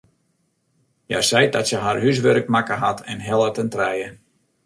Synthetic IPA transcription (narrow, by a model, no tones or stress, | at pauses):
ja̰sɛjdɔtsəɦarɦys̬ʋøɾək̚makəɦatʰɛnɦɛlˠətəntrɛjə